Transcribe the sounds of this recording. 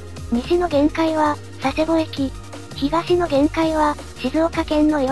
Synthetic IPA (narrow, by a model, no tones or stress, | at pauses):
ɲ̟iɕino̞ɡẽ̞ŋkaiβa | sase̞bo̞ekʲi | çiɡaɕino̞ɡẽ̞ŋkaiβa | ɕizoːkakẽ̞nːo̞e